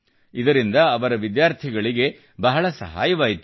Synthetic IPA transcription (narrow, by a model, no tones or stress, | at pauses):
id̪ɐɾind̪ɐːʋɐɾɐʋid̪jaːɾt̪ʰiɡɐɭiɡe̞ | bɐɦɐɭɐsɐ̰ɦa̰ːjɐʋaːjit̪u